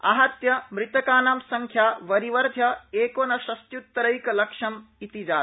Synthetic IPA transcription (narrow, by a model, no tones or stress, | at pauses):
ɐ̰ɦɐt̪jɐmɾɪt̪ɐkaːnɐmsɐŋkʰjaːʋɐɾiʋɐɾd̪ʱjɐeːkoːnɐʃɐst̪jut̪ːɐɾɐjkɐlɐkʃɐmit̪id͡ʒaː